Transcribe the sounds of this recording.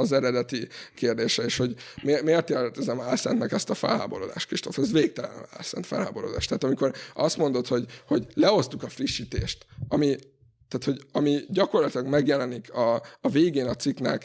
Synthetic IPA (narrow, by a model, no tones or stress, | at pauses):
ɒzɛɾɛd̪ɛt̪ikeːrd̪eːʃɛeːʃho̞ɟmemeːrt̪eːt̪ɛzɛmaːlsɛ̰nt̪nɛkɛst̪ɒfɛ̰lɦa̰ːbo̞ɾo̞d̪a̰ːʃt̪kriʃt̪o̞ft̪ɛzveːk̚t̪ɛlɛ̰n̰a̰ːlsɛ̰nt̪fɛ̰lɦa̰ːbo̞ɾo̰d̪aːʃt̪ɛɦːt̪ɒmiko̞rɒst̪mo̞nd̪o̞t̪ho̞ɟho̞ɟlɛo̞st̪ukɒfriʃːiːt̪ḛːʃt̪ɒmi | t̪aːt̪ho̞ɟɒmiɟɒko̞rlɒt̪ilɒɡmɛɡjɛlɛnikɒːveːɡeːnɒt̪siknɛ̰k